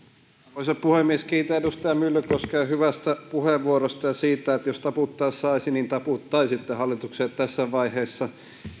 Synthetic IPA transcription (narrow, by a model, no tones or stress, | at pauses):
oˑisopuhemːieskiːt̪ææedust̪ɑjɑmylːøkoskɑyhyʋæst̪æpuheʋʋuoɾost̪ɑjɑsiːt̪æet̪jost̪ɑput̪ːɑissɑisinint̪ɑput̪ːɑisit̪ːehɑlːit̪ukset̪t̪æsːæʋɑiheːsːɑ